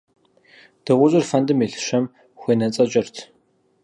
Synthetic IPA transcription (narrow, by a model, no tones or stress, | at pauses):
d̥ɨʁʷʊɕʼɪrfɐndɨmeɬɨ̥ɕɐm | xʷeːnɐt͡sʼɐt͡ʃʼɪrtʰ